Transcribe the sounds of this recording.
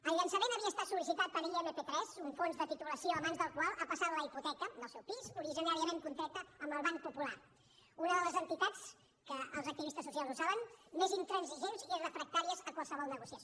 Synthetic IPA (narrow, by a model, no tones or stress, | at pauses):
əlʎənsəmenəβiəːst̪at̪sulis̬it̪at̪̚pəɾiʎemepet̪ɾɛzuɱfonzðət̪it̪uləsioəβanzðəlˠkwalˠapəsat̪ləiput̪ɛkəd̪əlˠsɛwpizuɾiʒinaɾiəmeŋkunt̪ɾak̚t̪əːmbəlˠβaŋ̚pupula | unəðələzənt̪it̪at͡s | kəəlˠzəkt̪iβist̪əsːus̬ialˠzuzaβənmezint̪ɾənziʒenzrəfɾək̚t̪aɾiəzəkwalˠsəβɔlˠnəɣusiə